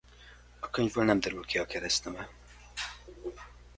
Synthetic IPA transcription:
ɒkøɲvøːlnɛmd̪œɾylkiɒkɛɾɛst̪ɛmɛ

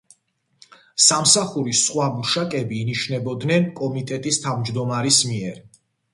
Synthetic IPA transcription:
samsaχuɾisχwamuʃakʼɛbiːniʃnɛbɔd̪nɛnkʼɔmit̪ʼɛt̪ʼist̪ʰavmd͡ʒd̪ɔmaɾismiɛɾ

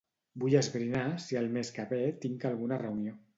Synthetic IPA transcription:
bujəzβɾinasialˠmeskaβet̪iŋkalɣ̞unarəunio

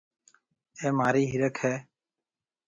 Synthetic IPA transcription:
eːmaːɾiːɦɪɾəkʰhɛː

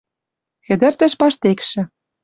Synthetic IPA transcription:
xɘ̆d̪ɘ̆rt̪ɘ̆ʃpɑʃt̪ekʃɘ̆

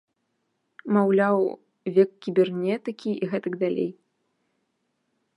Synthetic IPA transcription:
mawlʲaw | vʲɛkkʲːibʲɛrnʲɛt̪ɨkʲiʔiɣɛt̪ɨɡd̪alʲḛj

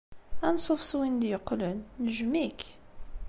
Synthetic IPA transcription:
ænsˤofswind̪jəqlənːəʒmik

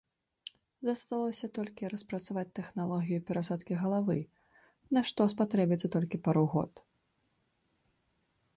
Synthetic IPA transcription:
zɐst̪alˠɔsʲɐt̪ɔlʲkʲiɾɐspɾɐt̪savat͡sʲt̪ɛxnalˠɔɣʲijupʲɛɾasat̪kʲiɣɐlˠavɨ | naʂt̪ɔspat̪ɾɛbʲit̪sɐt̪ɔlʲkʲipaɾuɣɔ̰t̪

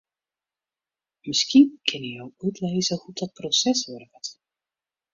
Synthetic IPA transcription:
mɪskinkʰɪnəjɔwytʰlejzəhudɔt̚prosɛsʋœrʋət

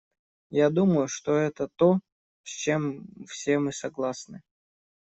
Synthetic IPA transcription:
jad̪uməjʊʂt̪oɛt̪ət̪o | fsʲt͡ɕe̞mfsʲe̞mɨsɐɡlˠasnɨ

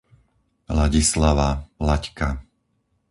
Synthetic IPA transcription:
laɟislaʋalacka

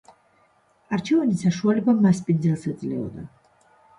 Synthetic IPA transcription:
aɾt͡ʃʰɛvanisaʃualɛbamːaspʼind̪zɛlˠsɛd̪zlɛɔ̰d̪a

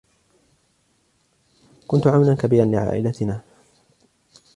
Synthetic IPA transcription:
kʊnt̪ʊʕawlankabiːɾanlɪʕa̰ːʔɪlat̪ɪnaː

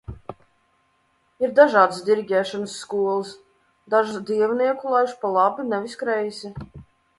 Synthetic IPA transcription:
iɾd̪aʒɑːd̪sd̪ʲiɾɡʲɛːʃɔnsːkuɔlˠɨs | d̪aʒud̪iɛvniɛkulˠajʃpalˠabinɛvʲiskɾɛjzʲi

